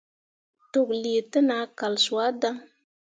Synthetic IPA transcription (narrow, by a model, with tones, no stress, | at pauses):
to˨kli˨tɨ˦na˨˦ka˨lswa˦da˦ŋ